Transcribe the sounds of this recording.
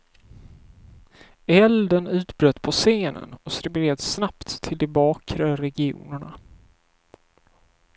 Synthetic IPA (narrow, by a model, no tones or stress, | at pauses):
ɛld̪ənʉ̟ːt̪bɾœt̪ːpʰɔseːnə̰nɔsɾɪbleːd̪snapt̪ʰːɪld̪ɛbɑːkʰɾaɾɛɡɪṵːnəɳa